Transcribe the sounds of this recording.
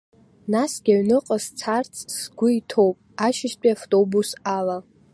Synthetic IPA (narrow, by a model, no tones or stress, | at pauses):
nasɡʲaɥnɨqʼəzt͡sʰart͡sʰʼsɡʷʊitʰo̞wpʼaʃɪspʼiaftʼobusala